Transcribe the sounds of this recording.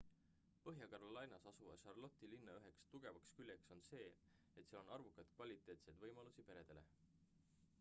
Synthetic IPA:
pɤ̞ɦjɑkɑɾolɑjnɑsɑsuvɑ̰ʃɑrlo̞t̪ːˑilinːɑyɦe̞kst̪uɡ̥e̞vɑkskylʲjekso̞nse̞ː | et̪seɑlo̞nɑrvukːˑɑd̪̥kvɑlʲit̪ːˑe̞ːt̪sejd̪vɤjmɑlusipe̞ɾe̞d̪̥e̞le̞̰

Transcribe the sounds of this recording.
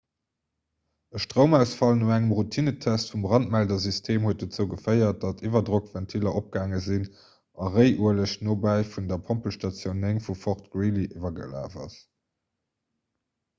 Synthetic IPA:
əʃtʁəʊmæʊsfɑlnuæŋəmʁutʰinətʰæstfumbʁɑnt̚mældɐzystʰeːmhuət̚dət͡səʊɡəfɜɪɐt̚d̥ɑtʰivɐdʁokvæntʰilɐʔop̚ɡ̥aːŋəzin | ʔɑʁəɪʔuələɕnoːbæɪfundɐpʰompəlʃtɑt͡sjoʊneŋfufɔχtɡ̥ɹiliʔivɐɡə̰la̰ːvɐ̰s

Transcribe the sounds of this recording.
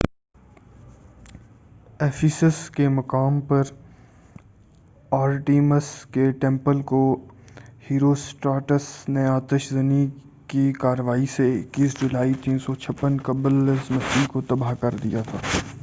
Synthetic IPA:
fʰisəskemɐkaːmpɐɾ | aːɾʈiːməskeʈɛ̃ːmpəlko | hiːɾosʈaːʈəsneaːt̪əʃzɐni | kikaːɾəʋaːiseɪkːiːsd͡ʒʊlaːit̪iːnsɔt͡ʃʰɐpːənkɐbəlsmɐsikot̪ɐbaːɦkɐɾd̪ḭjat̪ʰaː

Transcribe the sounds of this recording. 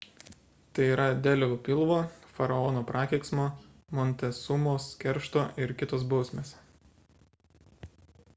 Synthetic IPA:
t̪ɐɪiːɾɐd̪ʲɛlʲɛʋopʲɪlˠʋoːfɐɾɐɔːnoːpɾʔɑːkʲɛɪksmoː | mɔnʲt̪ʲɛsʊmoːskʲɛɾʃt̪oːʔɪɾkʲɪt̪oːsbɒʊsʲmʲeːs

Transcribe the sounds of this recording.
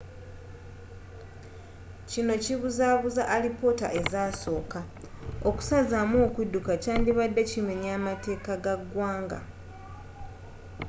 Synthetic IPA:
cino̞ciβuzaːβuzaʔːlipo̞ta̰ʔe̞zaːso̞ːka | o̞ku̥sazamoːkwudːukacaːndiβadːecime̞ɲaːmate̞ːkaɡaɡwaːŋɡa̰

